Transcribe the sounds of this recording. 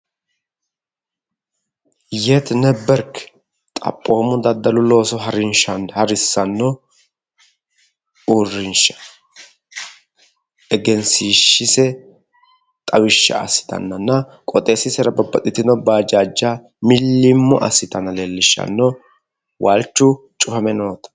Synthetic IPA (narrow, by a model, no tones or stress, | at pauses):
jɛt̪nɛbːɛɾkːɛ̥ | t̪ʼɐ̰pʼːo̞ːmʊd̪ɐd̪ːɐlʊlo̞ːsɔɦɐɾɪnʃɐnhɐɾɪsːɐnːɔ | urːɪnʃɐ̥ | ɛɡɛnsiʃːɪsɛ | t̪ʼɐwɪʃːɐ̰ɐ̰sːɪ̥t̪ɐ̰nːɐnːɐkʼɔt̪ʼe̞ːsɪsɛɾɐbɐbːɐt̪ʼɪt̪ːɪnɔbaːd͡ʒaːd͡ʒːaː | mɪlːɪmːʊʔɐ̰sːɪt̪ɐnɐleːlːɪʃːɐ̰nːɔ | wʔalt͡ʃːʊ | t͡ʃʼʊfɐmɛno̞ːt̪ɐ̥